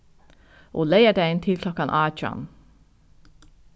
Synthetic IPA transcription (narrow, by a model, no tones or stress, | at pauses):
ʔoːleɪəɖæɪnt̪ʰɪlkʰlɔkɑnʔɑːc͡çʉɑ̰n